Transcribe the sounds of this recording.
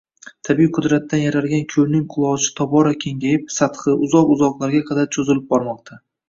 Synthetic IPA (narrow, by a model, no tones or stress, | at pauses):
t̪ʰabijqʰʊd̪ɾat̪ʰːanjaɾalɡʲankʲʰɵlnɪŋqʰʊlˠɒt͡ʃɪ̥t̪ʰɒbɒɾakʲʰe̞ŋɡʲajɪp̚sat̪χɨʔʊzɒqʊzɒqlˠaɾɡʲaqʰɑd̪aɾt͡ʃʰozɪlɪp̚bɒɾmɒqt̪ʰa